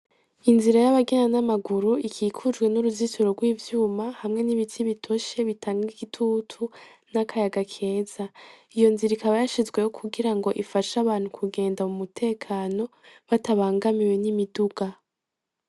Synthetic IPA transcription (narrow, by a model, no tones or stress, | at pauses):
inziɾajaβaɡenanamaɡuɾuikʰiːkʰud͡ʒɡwe̞nuɾuzisoɾoɡwiːvjuːmahamŋe̞niβitʰiβitʰo̞ʃe̞βitʰaːŋɡiɡitʰuːtʰu | nakʰajaɡakʰe̞ːz̥a | ijo̞nziɾikaβajaʃizwe̞jokʰuɡiɾaŋɡo̞ʔifaʃaβaːn̥hukʰuɡe̞ːndamumutʰe̞ːkʰaːno̞βataβaːŋɡamiwe̞nimiduɡ̥a